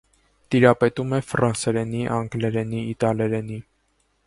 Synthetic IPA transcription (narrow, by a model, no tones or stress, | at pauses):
t̪iɾɑpɛt̪umɛfɾɑnsɛɾɛniʔɑŋɡlɛɾɛniːt̪ɑlɛɾɛni